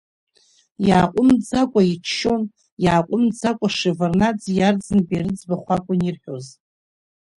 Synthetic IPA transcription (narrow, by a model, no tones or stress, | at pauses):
jaːqʷʼʊmd͡zakʷʼait͡ʃʰʃon | jaːqʷʼʊmd͡zakʷʼaʂivarnad͡zjard͡zɨnbaɾɨd͡zbaχʷakʷʼʊnirħᶣoz